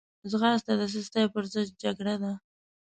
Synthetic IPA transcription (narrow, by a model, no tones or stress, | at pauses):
zɣɑst̪ad̪əs̬əst̪ajpəɾzəd͡ʒ̪̚d͡ʒaɡɽad̪a